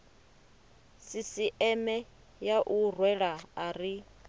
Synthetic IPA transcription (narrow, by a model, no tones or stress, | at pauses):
sisiʔɛmɛ | jaʔurwɛɺaaɾi